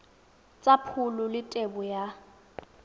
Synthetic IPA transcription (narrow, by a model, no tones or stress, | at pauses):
t͡sʼapʰʊlʊlɪtʼebʊja